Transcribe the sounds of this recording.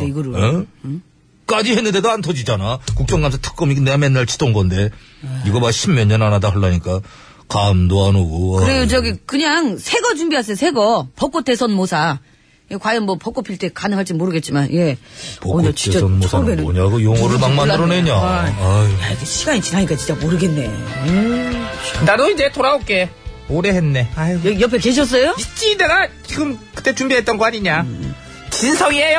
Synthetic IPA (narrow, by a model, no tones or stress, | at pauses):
iɡʌɾɯe | k͈ad͡ʑiɦenːɯnde̞doantʰʌd͡ʑid͡ʑanakuk̚t͡ɕ͈ʌŋɡamsʰatʰɯ̥k͈ʌmiɡnemenːaɭt͡ɕʰi̥t͈onɡʌnde̞iɡʌmaɕʰimjʌɲːʌnanadaɦɯɭːaɲik͈a | kamdoanoɡokɯɾejod͡ʑʌɡikɯɲaŋsʰe̞ɡʌt͡ɕumbiɦas̬ʰʌsʰe̞ɡʌpʌk͈ot͈e̞sʰʌnmosʰa | ekwajʌnmʌpʌk͈opʰiɭtʰe̞kanɯŋɦaɭt͡ɕ͈imoɾɯɡe̞t̚t͡ɕ͈imanje̞pʌʌi̥t͡ɕaʌnmsʰmenɯoɲaɡojoŋoɾɯɭmaŋmanːɯɾoneɲa | jaiɡeɕʰiɡaɲit͡ɕinaɲik͈at͡ɕint͡ɕamoɾɯɡe̞nːe̞̰ɯ | inadoid͡ʑe̞toɾaok͈e̞oɾeɦenːe̞ajjʌpʰeke̞ɕ̬ʰʌs̬͈ʌjoit͡ɕ͈ineɡat͡ɕiɡɯmkɯ̥t͈ːe̞t͡ɕumbiɦe̞t̚t͈ʌnɡʌɦaɲiɲa | t͡ɕinsʰʌŋiejo